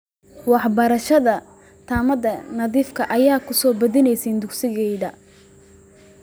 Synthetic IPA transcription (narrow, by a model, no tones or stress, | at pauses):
wɑħbɐɾɐʃɐðɐ | t̪ʰaːmɐðɐnɐðiːfkʰɐʔɐjaːkʰʊsɔːbɐðɪnɛjsɛnd̪ʊksɪɣɛjðɐ